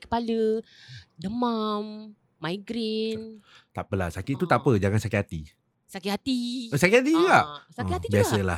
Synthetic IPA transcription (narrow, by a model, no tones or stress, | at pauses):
kə̥palə | dəmamː | aiɡɾen | t̪apəlasakɪʔt̪ut̪apəd͡ʒaŋansakihat̪i | sakɪʔhat̪isakɪhat̪id͡ʒuɡaʔsakɪhat̪ibiasəla